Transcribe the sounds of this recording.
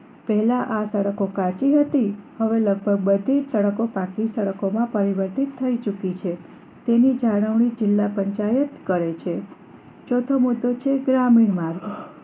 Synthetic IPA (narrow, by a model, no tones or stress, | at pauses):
pɛɦlãʔasəɽəkokat͡ʃiɦət̪ihəʋeləɡ̚bʱəɡ̚bəd̪ʱid͡ʒsəɽəkopãkisəɽəkomãpəɾiʋəɾt̪it̪ʰːəit͡ʃukit͡ʃʰe | t̪enid͡ʒʱaɽ̃əʋɳid͡ʒɪlːapəɲt͡ʃajət̪kəɾet͡ʃʰe | t͡ʃot̪ʰomud̪ːot͡ʃʰeɡɾamiɳmaɾɡ